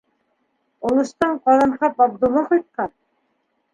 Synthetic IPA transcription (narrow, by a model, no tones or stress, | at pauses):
ŏlˠɤ̆ʃt̪ɑɴqɑðɤɴqɑpɑb̚d̪ŏlˠːɑqɑjt̪̚qɑn